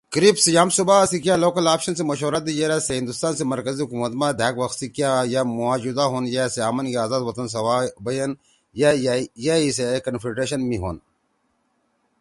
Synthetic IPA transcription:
kɾipsijaːmsubasikjaːloːkɐlaːpʃɐns̬emɐʃɦoːɾɐt̪̚d̪ijeɾaseɦĩnd̪ust̪aːnsemɐɾkɐziɦukumɐt̪mad̪ʱaːkʋɐxsikjajamuaːd͡ʑud̪aɦonjaseaːmɐnkiaːzaːd̪wɐt̪ɐns̬ɐwaːbɐjɐn | jajais̬ekɐnfɾiʈɾeɕ̬ɐnmiɦo̰n

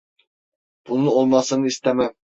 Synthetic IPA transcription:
b̥unɨolˠmɑsɨnɨist̪ɛmɛm

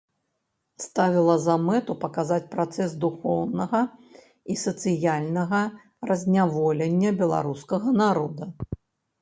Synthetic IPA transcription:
st̪avʲilˠɐzɐmɛt̪upɐkazat͡sʲpɾat̪sɛsd̪uxɔwnɐɣɐ | isɐt̪sɨjalʲnɐɣɐ | rɐzʲnʲavɔlʲɛnʲːɐbʲɛlˠa̰ɾuskɐɣɐnaɾɔd̪ɐ

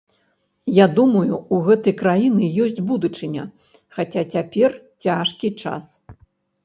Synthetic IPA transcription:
jad̪umɐjuuɣɛt̪ɐjkɾajinɨjɔsʲt͡sʲbud̪ut͡ʂɨnʲɐ̰ | xat͡sʲat͡sʲapʲɛrt͡sʲaʂkʲit͡ʂa̰s

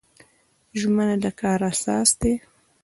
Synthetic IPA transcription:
ʒmənad̪əkɑɾasɑ̰sd̪e

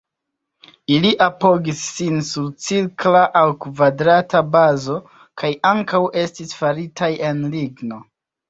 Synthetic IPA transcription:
iliʔapo̞ɡisːinsuɾt͡siɾklaʔawkvadɾatabazo̞ | kajaŋkawʔe̞stisfaɾitʰaje̞nliɡno̞

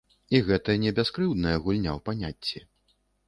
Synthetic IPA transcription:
iɣɛt̪ɐjɐnʲɛbʲaskɾɨwd̪nɐjɐɣulʲnʲa̰wpanʲat͡sʲːi

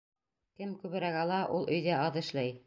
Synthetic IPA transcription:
kɘmkʉβɘ̆ɾæɣɑlˠɑʔulˠʔɵ̆jðæɑðɘ̆ʃlæj

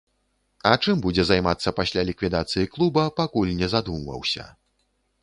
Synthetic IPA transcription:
ɐt͡ʂɨmbud͡zʲɛzajmat̪sːɐpasʲlʲalʲikvʲid̪at̪sɨjiklˠubɐpakulʲnʲɛzad̪umvɐ̰wsʲɐ̰

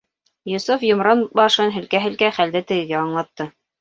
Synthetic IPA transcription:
jŏsufjŏmɾɑnbɑʃɤnɦɵ̆lkæɦɘ̆lkæχæld̪ɘt̪ɘ̆ɡɘ̆ɡæɑɴlˠɑt̪ːɤ

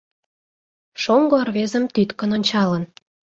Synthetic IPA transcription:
ʃoŋɡoɑrβezə̆mt̪yt̪kə̆nonʲt͡ɕɑlən

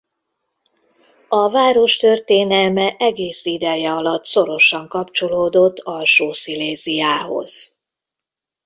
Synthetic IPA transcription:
ɒvaːɾo̞ʃt̪ø̞rt̪eːnɛlmɛʔɛɡeːsid̪ɛjɛɒlɒt̪so̞ɾo̞ʃɒŋkɒpt͡ʃo̞loːd̪o̞t̪ːɒlʃoːsileːzijaːɦo̞̰z̥

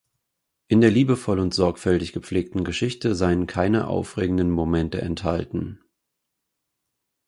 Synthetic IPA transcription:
ʔɪndeːɐliːbəfɔlʊntz̥ɔɐkfɛltɪçɡ̥əp͡fleːk̚tn̩ɡəʃɪçtəzaɪənkʰaɪnə̰ʔa̰ʊfʁeːɡŋ̩dənmomɛntə̰ɛ̰ntha̰ltn̩

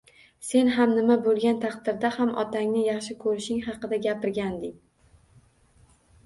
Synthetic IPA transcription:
se̞nɦamnɪmabolˠɡʲant̪ʰɑqd̪ɪɾd̪ahamɒ̰t̪ʰaŋnɪjɑχʃɪkʰɵɾɪʃɪŋɦɑqɨd̪aɡʲapɪɾɡʲand̪ɪŋ

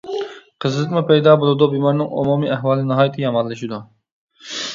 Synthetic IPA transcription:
qʰəzlˠɨqmupʰɛjd̪ɑːbolˠɨd̪ubimɑɾnɪŋo̰mumiʔæɦwɑːlˠɪnɨɦɑːjt̪ʰɨjɑmɑlˠːɨʃid̪u

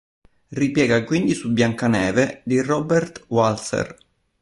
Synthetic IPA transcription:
ripjɛːɡakwind̪isubːjaŋkanɛːved̪irɔbɛrt̪walsḛr

